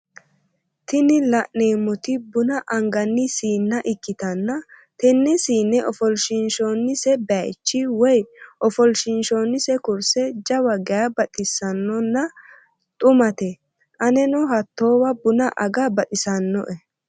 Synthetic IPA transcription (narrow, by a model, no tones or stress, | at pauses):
t̪ɪnɪlɐʔneːmɔt̪ɪbʊnɐʔɐŋɡɐnːɪsiːnːɐʔɪkːɪt̪ɐnːɐt̪ɛnːɛsiːnːɛʔɔfɔlʃɪnʃoːnːɪsɛbɛt͡ʃːɪwɔjʔɔfɔlʃɪnʃoːnːɪsɛkʊɾsɛd͡ʒɐwɐɡɛjɐbɐt̪ʼɪsːɐnːɔnːɐ | t̪ʼʊmɐt̪ɛ | ʔɐnɛnɔɦɐt̪ːoːwɐbʊnɐʔɐɡɐbɐt̪ʼɪsɐnːɔ̰ʔɛ